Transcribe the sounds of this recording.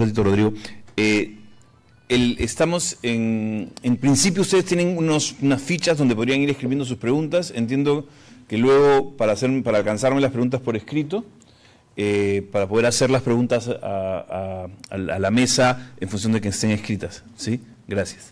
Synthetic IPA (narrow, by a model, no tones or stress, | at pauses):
oit̪oro̞ðɾiɣo̞e | elest̪amo̞seŋeŋpɾinsipjoust̪eest̪jene̞ŋunosunasfit͡ʃazðo̞nd̪epo̞ðɾiaŋiɾe̞skɾiβjend̪o̞s̬uspɾe̞ɣunt̪ase̞nt̪je̞nd̪o̞ | ke̞lwe̞ɣ̞o̞paɾaːse̞ɾpaɾaːlkansaɾmelaspɾe̞ɣunt̪aspo̞ɾe̞skɾit̪o̞ | epaɾapo̞ð̞eɾase̞ɾlaspɾe̞ɣunt̪asaaaa̰lame̞sae̞ɱfunsjo̞nd̪ekest̪eŋe̞skɾit̪asːi | ɡɾasjḁs